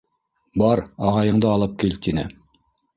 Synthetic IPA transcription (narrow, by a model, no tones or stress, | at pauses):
bɑɾɑʁɑjɤ̆ɴd̪ɤɑlˠɤp̚kilt̪inɘ̰